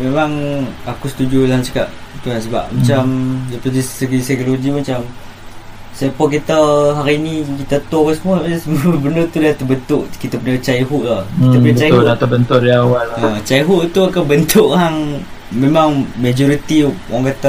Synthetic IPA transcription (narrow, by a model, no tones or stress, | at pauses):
memaŋakusə̥t̪ud͡ʒulaht͡ʃḁka̰ʔ̚t̪uansəba̰ʔ̚mat͡ʃamjapadisəɡisakoloɡimat͡ʃam | sepɔk̬it̪əɦaɾiːnikit̪ət̪opəsəmuaasəmbənət̪ulat̪əbənt̪ʊʔkit̪apənət͡ʃaiɦuʔlakit̪apəɲət͡ʃajuat̪əbənt̪ʊdiawalat͡ʃaiɦuʔt̪uakabənt̪ʰʊʔhaŋ | memaŋmad͡ʒoɾit̪iwaŋkat̪a